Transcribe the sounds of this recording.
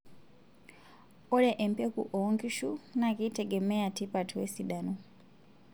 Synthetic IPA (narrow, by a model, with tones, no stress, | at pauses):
ɔ˦lɛʔɛ˨mpɛ˦kṵ˨ʔɔŋɡi˦ʃu˦nakitʰɛɡɛ˨mɛ˦a˨tʰi˦patʰuwɛ˦siɗanɔ